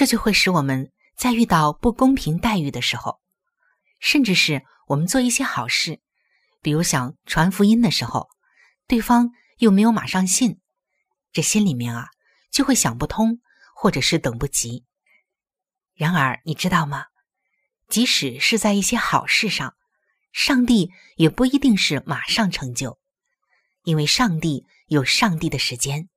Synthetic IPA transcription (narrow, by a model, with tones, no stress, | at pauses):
ʈ͡ʂɤ˥˧t͡ɕjo˥˧ʊxwe˥˩ɪʂɻ̩˧˥wɔ˨˩mə˦n | t͡sa˥˧ɪy˥˧t̪ɑ˥˧ʊpu˥˩kʊ˥ŋpʰi˧˥ŋt̪a˥˧ɪy˥˩d̪ə˩ʂɻ̩˧˥xo̰˧ʊ | ʂə˥˧nʈ͡ʂɻ̩˥˧ʂɻ̩˥˩ | wɔ˨˩mə˦nt͡swɔ˥˧i˥˩ɕjɛ˥xɑ˨˩ʊʂɻ̩˥˩ | pi˨˩ɻu˧˥ɕjɑ˨˩ŋʈ͡ʂʰwa˧˥nfu˧˥i˥nd̪ə˨ʂɻ̩˧˥xo̰˧ʊ | t̪we˥˩ɪfɑ˥ŋ | jo˥˩ʊme˧˥ɪjo˧˥ʊma̰˨˩ʂɑ˥˧ŋɕi˥˩n | ʈ͡ʂɤ˥˩ɕi˥nli˨˩mjɛ˥˩nɐ˩ | t͡ɕjo˥˧ʊxwe˥˩ɪɕjɑ˨˩ŋpu˥˩t̪ʰʊ˥ŋ | xwɔ˥˩ʈ͡ʂɤ˨˩ʂɻ̩˥˩t̪ɤ˨˩ŋpu˥˩t͡ɕi˧˥ | ɻa˧˥nə˞˧˥ni˨˩ʈ͡ʂɻ̩˥t̪ɑ˥˩ʊmɐ˩ | t͡ɕi˧˥ʂɻ̩˨˩ʂɻ̩˥˧t͡sa˥˧ɪi˥˩ɕjɛ˥xɑ˨˩ʊʂɻ̩˥˧ʂɑ˥˩ŋ | ʂɑ˥˧ŋt̪i˥˩ | jɛ˨˩pu˥˩i˧˥t̪i˥˧ŋʂɻ̩˥˩ma˨˩ʂɑ˥˩ŋʈ͡ʂʰɤ˧˥ŋt͡ɕjo˥˩ʊ | i˥nwe˥˧ɪʂɑ˥˧ŋt̪i˥˩ | jo˨˩ʊʂɑ˥˧ŋt̪i˥˩d̪ə˩ʂɻ̩˧˥t͡ɕjɛ˥n